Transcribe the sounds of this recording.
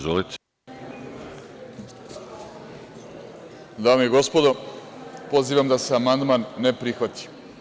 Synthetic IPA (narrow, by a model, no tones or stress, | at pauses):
zolit̪ | d̪aːmejiɡo̞spo̞d̪opo̞ziːʋamd̪aseamand̪manːepɾixʋat̪i̥